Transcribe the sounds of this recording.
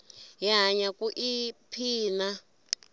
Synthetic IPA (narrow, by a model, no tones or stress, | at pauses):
jaɦaɲakuʔipʰiːna